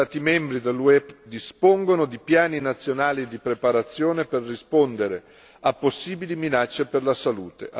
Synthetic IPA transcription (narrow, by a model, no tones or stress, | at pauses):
aːt̪imɛmbɾid̪elːuɛbd̪ispoŋɡonod̪ipjaːninat̪sːjonaːlid̪ipɾepaɾat̪sːjoːneperːispond̪eɾe | apːosːiːbiliminat͡ʃːeperlasalṵːt̪ḛʔa